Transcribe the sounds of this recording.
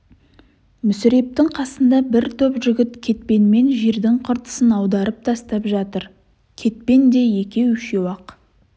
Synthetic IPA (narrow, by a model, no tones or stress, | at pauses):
mʏsɪɾe̞p̚t̪ɪŋqʰɑsənd̪ɑbɪɾt̪ʰɵpʒʏɡʲɪt̪kʲʰe̞t̪̚pe̞nme̞nʒeɾd̪ɪŋqʰʊɾt̪ə̥sənɑwd̪ɑɾəp̚t̪ʰɑst̪ɑpʒɑt̪əɾ | kʲʰe̞t̪̚pe̞nd̪e̞je̞kʲe̞wʏʃewɑq